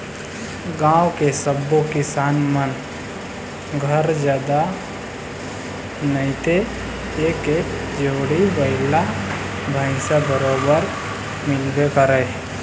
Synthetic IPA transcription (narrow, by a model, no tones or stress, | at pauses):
ɡãːwkesəbːokɪsaːnmən | ɡʱəɾd͡ʒjaːd̪a | nəɪ̃t̪e | eːkeːkd͡ʒoːɽibəɪla | bʱaɪsabəɾoːbəɾ | mɪlbekəɾə